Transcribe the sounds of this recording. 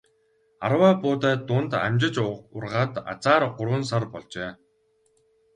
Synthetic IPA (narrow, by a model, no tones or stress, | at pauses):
arwaːpʊːt̪æːt̪ʊnt̪a̰mʲt͡ɕɪ̆t͡ɕʊrʁaːt̪a̰t͡saːɾɢʊɾwə̆ns̬arpɔɮt͡ɕeː